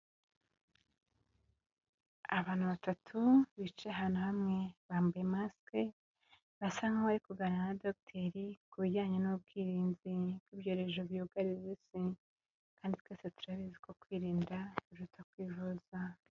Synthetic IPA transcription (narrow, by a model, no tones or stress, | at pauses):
aβaːn̥uβatʰatʰuβit͡ʃeɦaːnhuhamŋe̞βaːmbujemaske | βasaŋɡaβaɾikuɡananadok̚tʰeɾikuβiɟaːɲenub̚ɡiːɾiːnzibɡiːβɟo̞ːɾe̞ʒoβjuɡaɾizisi | kaːnditwe̞ːsetu̥ɾaβiziko̞kwiːɾiːndauɾutʰakwiːvoza